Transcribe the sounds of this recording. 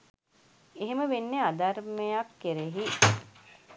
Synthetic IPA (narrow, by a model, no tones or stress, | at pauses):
eɦeməʋenːead̪armejakːeɾeɦi